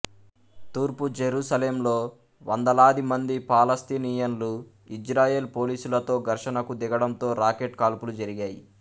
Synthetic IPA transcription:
t̪uːɾpud͡ʒeɾuːsɐleːmlo̞ː | ʋɐnd̪ɐlaːd̪imɐnd̪ipaːlɐst̪iːniːjɐnlu | id͡ʒɾaːje̞ːlpo̞ːliːsulɐt̪o̞ːɡɐɾʂɐnɐkud̪ɛɡɐɽɐmt̪o̞ːɾaːkeʈkaːlpulud͡ʒɐɾiɡaːjḭ

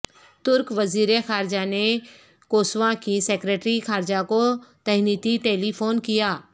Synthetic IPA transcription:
t̪ʊɾkʋɐziːɾexaːɾɪd͡ʒane | koːsʋãkiseːkɾeːʈɾixaːɾɪd͡ʒakot̪ɐɦniːt̪iʈeːlipʰoːnkijaː

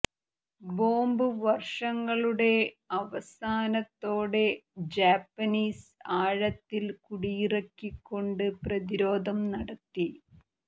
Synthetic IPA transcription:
boːmbɨʋɐrʂɐŋːɐɭuɽe̞ | ɐʋɐsaːnɐt̪ːo̞ːɽe̞d͡ʑaːpːɐniːsaːɻɐt̪ːilkuɽijirɐkːikːo̞ɳɖɨprɐðiɾo̞ːd̪ʱɐmnɐɽɐt̪ːi

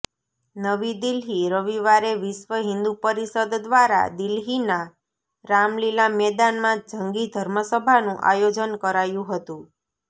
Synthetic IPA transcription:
nəʋid̪ilɦiɾəʋiʋaɾeʋɪʃʋəɦɪnd̪upəɾisəd̪d̪ʋaɾa̰d̪ilɦina | ɾamlilamɛd̪anmãd͡ʒəŋɡid̪ʱəɾməsəbʱanũʔa̰jod͡ʒənkəɾajũɦət̪ũ

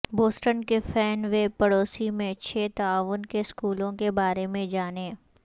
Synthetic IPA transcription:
boːsʈənkefʰɛːnʋeːpɐɽoːsimẽt͡ʃʰeːt̪ɐaːʋʊnkeskuːlõkebaːɾemẽd͡ʒaːneː

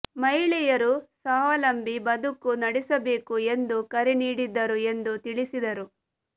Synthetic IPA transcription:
mɐjɭɛjɐɾusaːʋɐlɐmbibɐd̪ukːunɐɽisɐbe̞ːkue̞nd̪ukɐɾɛniːɽid̪ːɐɾue̞nd̪ut̪iɭisid̪ɐɾu

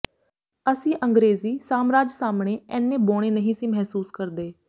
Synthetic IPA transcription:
əsĩːʔəŋɡɾeːziːsaːmɾaːd͡ʒsaːmɳeːɛːnːẽːboːɽ̃eːnəɦĩːsĩːmɛɦsuːskəɾd̪eː

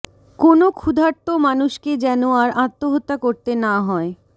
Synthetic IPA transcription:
konokʰud̪ʱaɾt̪omanuʃked͡ʑɛnoaɾat̪ːoɦot̪ːakoɾt̪enaɦɔe

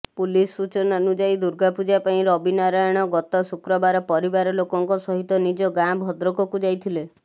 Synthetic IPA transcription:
pulisːut͡ʃɔnanud͡ʒajd̪uɾɡapud͡ʒapaĩɾɔbinaɾajɔɽ̃ɔɡɔt̪ɔsukɾɔbaɾɔpɔɾibaɾɔlokɔŋkɔsɔɦit̪ɔnid͡ʒɔɡãbʱɔd̪ɾɔkɔkud͡ʒajt̪ʰile

